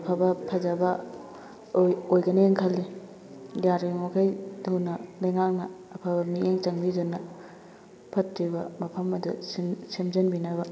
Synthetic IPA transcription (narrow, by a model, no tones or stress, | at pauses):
ɐpʰabɐpʰɐd͡ʒɐbɐ | ojɡɐneeŋkʰɐlːi | daɾimokʰajdʰuwnɐlɐjŋak̚nɐːpʰabɐmiʔeŋt͡ʃɐŋbidonːɐ | pʰɐtɾibɐmɐpʰɐmɐdṵssemd͡ʒɐnbinɐβɐ